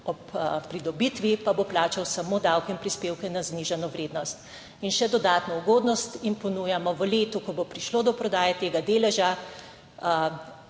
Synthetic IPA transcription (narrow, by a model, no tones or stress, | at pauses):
ɔppɾid̪ɔbit̪ʋipaboplaːt͡ʃawsamoːd̪awkinpɾispeːwkɛnazniʒanɔʋɾeːd̪nɔst̪ | inʃɛd̪ɔd̪aːt̪nɔuɡoːd̪nɔst̪impɔnujamɔʋəleːt̪ukɔbopɾiʃlod̪ɔpɾɔd̪aːjɛt̪eːɡad̪eːlɛʒa